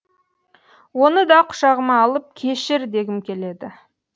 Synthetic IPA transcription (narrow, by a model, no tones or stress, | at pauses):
wo̞nəd̪ɑqʰʊ̥ʃɑʁəmɑːlˠəp̚kʲʰe̞ʃɪɾd̪e̞ɡʲɪmkʲʰe̞le̞d̪ɪ